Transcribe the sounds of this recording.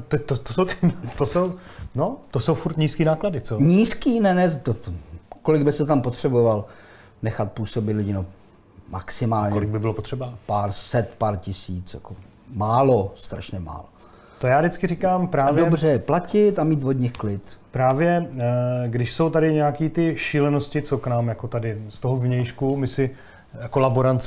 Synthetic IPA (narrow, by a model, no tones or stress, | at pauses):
t̪ɛt̪ot̪ːosowt̪ɪnt̪osow | not̪osowfuɾt̪ɲiːskiːnaːkladɪt͡soɲiːskiːnɛnɛtt̪ot̪oko̞lɪɡbɪst̪ɛt̪ampot̪r̝̥ɛbo̞val | nɛxat̪̚puːso̞bɪt̪lɪɟɪno | ma̰ksɪmaːlɲɛolɪɡ̚bɪbɪlopot̪r̥ɛbapaːɾsɛt̪paːɾcɪsiːt͡sja̰ko | maːlost̪ɾa̰ʃɲɛma̰ːlo | t̪ojaːdɪt͡skɪɾikaːmpɾaːdoɛbrɛplacɪt̪amiːt̪vo̞d̪ɲɪxklɪt̪pɾaːvjɛ | ɡdɪʃso̞wt̪adɪɲɛjakiːt̪ɪʃiːlɛnoscɪt͡soknaːmjakot̪adɪst̪oɦovɲɛjʃkumɪsɪ | kolaboɾant͡s